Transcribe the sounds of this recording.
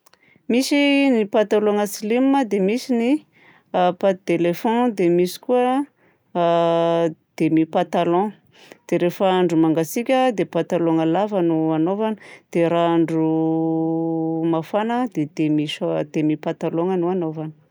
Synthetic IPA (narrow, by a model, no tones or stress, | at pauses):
misinipat̪aloŋəsilimməd̪emisini | apat̪elefɔ̃d̪emisi̥kuə | d̪̥emipat̪alɔ̃ | d̪̥eɾefəaɳɖ͡ʐumaŋɡasikʲəd̪epat̪aloŋəlavanuanovand̪̥eɾaaɳɖ͡ʐu | mafanəd̪ed̪emisd̪̥emipat̪aloŋanuanovan